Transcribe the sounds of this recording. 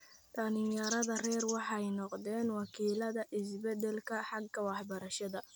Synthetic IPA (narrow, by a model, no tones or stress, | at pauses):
d̪ɐnɪjɐɾɐðɐrɛːrwɑħɑjnɔqd̪ɛːnwɑkʰiːlɐðɐʔɪs̬bɛd̪ɛlkʰɐħɑɡkʰɐwɑħbɐɾɐʃɐðɐ